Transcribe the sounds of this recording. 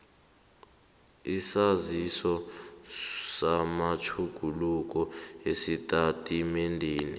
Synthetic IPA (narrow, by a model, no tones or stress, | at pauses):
isazisɔ | samat͡ʃʰuɡ̥ʱuluk̬ʼɔesitʼatʼimendʱiːnḭ